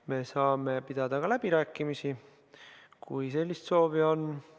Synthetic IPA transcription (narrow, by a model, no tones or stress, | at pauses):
me̞sɑːme̞pid̪̥ɑd̪̥ɑkɑlæb̥iɾæːkːˑimisi | kṵjse̞lʲːist̪so̞ːvio̞nː